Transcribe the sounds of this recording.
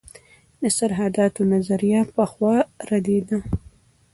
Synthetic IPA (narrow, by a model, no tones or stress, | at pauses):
d̪əsaɾɦad̪ɑt̪onazaɾijapəxwɑɾad̪ed̪a